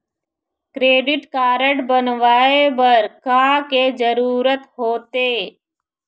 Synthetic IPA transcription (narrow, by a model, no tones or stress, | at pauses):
kɾeːɖɪʈkaːɾəʈbənʋaːebəɾkaːked͡ʒəɾuːɾət̪ɦoːt̪eː